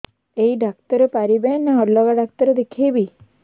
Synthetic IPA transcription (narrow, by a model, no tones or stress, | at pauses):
eiɖakt̪əɾepaɾibenaɔɾlːɔɡaɖak̚t̪əɾed̪ekʰebi